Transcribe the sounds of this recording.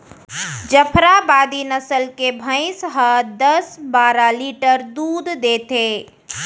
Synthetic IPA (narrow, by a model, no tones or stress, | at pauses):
d͡ʒəpʰɾabad̪inəsəlkebʱə̃ɪsɦəd̪əsbaɾaliʈəɾd̪ud̪d̪et̪e